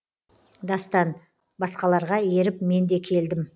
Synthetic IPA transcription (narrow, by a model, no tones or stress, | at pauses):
d̪ɑst̪ɑn | bɑsqɑlˠɑɾʁɑje̞ɾɪpme̞nd̪e̞kʲʰe̞ld̪ɪm